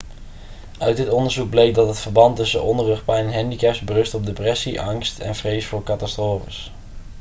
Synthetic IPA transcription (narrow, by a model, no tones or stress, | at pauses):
œɥt̚dɪtɔndəɹzuɡ̚blejk̚dɑtɦətfəɹbɑntɵsənʔɔndərəχpɛjnɛnɦɛndikɛpsbərɵstɔb̚deprɛsiʔɑŋstɛ̰nvrejsfʊːɹkɑtɑstroːfəs